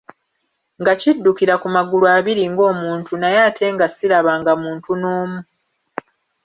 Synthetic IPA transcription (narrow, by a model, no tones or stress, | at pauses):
ŋɡacidːukiɾakumaɡulwaːβiɾiŋɡo̞ːmuːntʰunajaːtʰe̞ːŋɡasiɾaβaːŋɡamuːntunoːmu